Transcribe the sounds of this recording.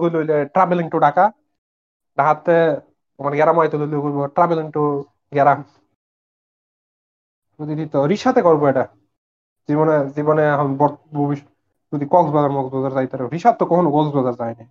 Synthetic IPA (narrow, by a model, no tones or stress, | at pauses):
ɡojlojleʈɾabeliŋʈoɖaka | ɖaɦat̪ːe | ɔmaɾɡɛɾamajt̪ololɡolbɔʈɾabeliŋʈo | ɡɛɾam | zud̪id̪it̪ɔɾiʃat̪ekɔɾbɔɛʈa | zibɔnezibɔneɦambɔbʱobiʃ | d͡ʒud̪ikɔɡzbɔzaɾmɔɡzbɔzaɾzajt̪aɾɛɾiʃat̪ːɔkɔkʰonoɡɔlzbɔzaɾzajni